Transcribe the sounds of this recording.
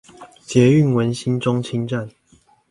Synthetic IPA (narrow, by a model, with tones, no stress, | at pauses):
t͡ɕjɛ˨˦y˥˨nwə˨˦nɕi˦nʈ͡ʂo˦ŋt͡ɕʰi˦ŋʈ͡ʂa˥˨n